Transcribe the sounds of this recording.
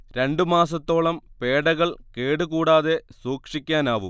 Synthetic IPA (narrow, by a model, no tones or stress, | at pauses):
ɾe̞ɳɖɨmaːs̬ɐt̪ːo̞ːɭɐmpeːɽɐɣɐɭke̞ːɽɨkuːɽaːðe̞suːkʂikʲːaːnaːʋṵ